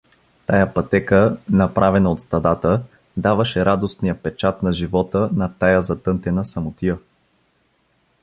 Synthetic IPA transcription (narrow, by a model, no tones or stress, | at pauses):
t̪ajapɐt̪ɛkənɐpɾʔavɛnɐot̪st̪ɐd̪at̪ə | d̪avɐʃɛɾad̪osnijəpɛt͡ʃat̪nɐʒivɔt̪ənɐt̪ajazɐt̪ɤnt̪ɛnəsɐmʊt̪iə